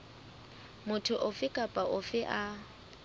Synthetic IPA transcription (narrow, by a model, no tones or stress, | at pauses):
mʊtʰʊʔʊfɪkʼapʼaʔʊfɪʔa